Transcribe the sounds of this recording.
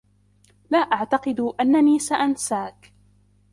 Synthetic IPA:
laːʔaʕt̪ɑqɨd̪ʔanːaniːsaʔansaːk

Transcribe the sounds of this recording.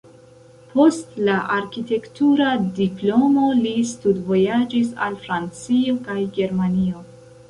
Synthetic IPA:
pʰo̞stlaʔaɾkite̞ktuɾadiplo̞mo̞listudvo̞jad͡ʒisa̰lfɾant͡sio̞kajɡe̞ɾmanio̞

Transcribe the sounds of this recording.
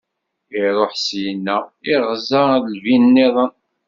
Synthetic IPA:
ɪɾˤoħsjənːæɪʁzɑðlvinnːeðˤən

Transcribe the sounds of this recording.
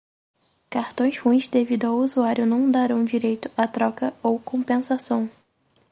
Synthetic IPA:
kaɾt̪õj̃shuĩzd̪evid̪ʊawuzuaɾjʊnɐ̃w̃d̪aɾɐ̃w̃d͡ʒiɾejt̪ʊ̥at̪ɾɔkɐowkõpẽsasɐ̃w̃

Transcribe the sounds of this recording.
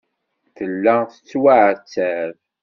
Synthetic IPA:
θəlːæθə̥t͡sːwaʕt͡sːæv

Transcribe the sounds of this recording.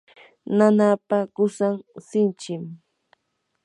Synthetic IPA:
nanapakʊsaŋsɪnt͡ʃɪm

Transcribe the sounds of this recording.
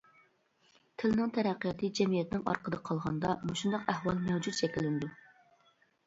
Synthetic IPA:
t̪ʰɪlnɪŋt̪ʰɛɾɛqːjɑt̪ʰɨd͡ʒɛmijɛt̪ɪnɪŋɑ̰ɾqʰəd̪ɨqʰɑlˠʁɑnd̪ɑmuʃund̪ɑqæhwɑlˠmɛwd͡ʒut̪t͡ʃʰɛkʲɪlːɪnɪd̪u

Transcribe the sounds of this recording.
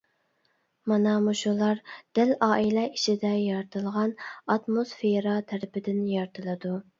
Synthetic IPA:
mɑnɑmuʃulˠɑɾd̪̥ælɑːʔilɛiʃid̪ɛjɑɾt̪ʰɨlˠʁɑnɑt̪mosfeɾɑt̪ʰæɾɪpɪd̪ɪnjɑɾt̪ʰɨlˠɨd̪u

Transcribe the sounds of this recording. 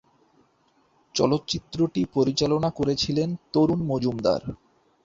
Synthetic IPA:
t͡ɕɔ̰lot̪ːt͡ɕit̪ːɾoʈipoɾit͡ɕalonakoɾet͡ɕʰilent̪oɾunmod͡ʑumd̪a̰ɾ

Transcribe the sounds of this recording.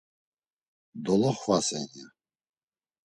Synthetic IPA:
d̪ɔlɔχvasɛnja

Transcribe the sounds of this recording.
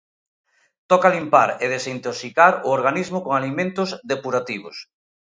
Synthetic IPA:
t̪ɔkalimpaɾeð̞esint̪osikaɾʊoɾɣanizmʊkoŋalimẽnt̪ʊzðepuɾat̪iβʊs

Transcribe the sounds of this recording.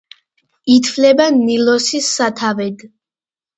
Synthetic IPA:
it̪ʰvlɛbanilɔsisːat̪ʰavɛd̪

